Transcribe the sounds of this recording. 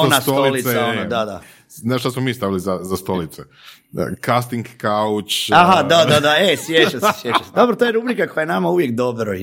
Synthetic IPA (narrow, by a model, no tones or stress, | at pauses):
onast̪toolilit̪sanod̪ad̪a̰ | naʃt̪asmomiːst̪aʋilizazast̪o̞lit̪sḛ | kast̪iŋɡkaut͡ʃaɦad̪aad̪aesjet͡ʃase̥sjet͡ʃased̪o̞bɾot̪ojeɾubɾikako̞jajenamauʋjekd̪o̞bɾo